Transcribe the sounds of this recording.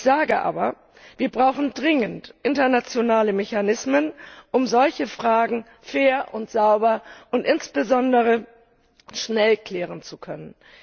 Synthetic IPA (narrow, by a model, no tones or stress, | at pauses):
ɪçz̥aːɡəʔa̰ːbɐ | viːɐbʁaʊxn̩dʁɪŋəntʔɪntɐnat͡sjonaːləmɛçanɪsmənʔʊmzɔlçəfʁ̥aːɡŋ̩ | feːɐʔʊntz̥aʊbɐʔʊntʔɪnsb̥əzɔndəʁ̞ə | ʃnɛlkl̥ɛːʁənt͡sukʰœnən